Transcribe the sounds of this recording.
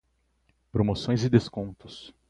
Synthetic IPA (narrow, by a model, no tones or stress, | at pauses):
pɾomosõj̃zɪd̪eskõnt̪ʊs